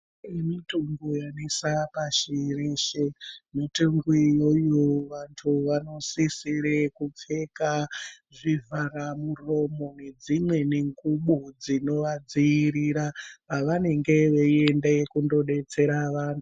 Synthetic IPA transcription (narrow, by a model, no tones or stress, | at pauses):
emituŋɡujanesapaʃireʃemitoŋɡwijojoʋantʰuʋano̞sisiɾekup͡fe̞kaʐivʱaɾamuro̞mo̞ne̞d͡zimwe̞neŋɡuɓud͡zino̞ʋad͡zijiɾiɾapaʋane̞ŋɡeʋeendekundo̞ɗe̞t͡se̞ɾaʋaːntʰu̥